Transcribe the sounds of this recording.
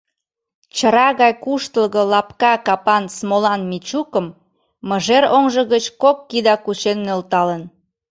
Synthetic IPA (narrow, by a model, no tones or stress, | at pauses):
t͡ɕəɾɑɣɑjkuʃt̪əlɣə̆lɑpkɑkɑpɑnsmolɑnmit͡ɕukəmː | əʒeɾoŋʒəɣət͡ɕkokːid̪ɑkut͡ɕenːølt̪ɑlən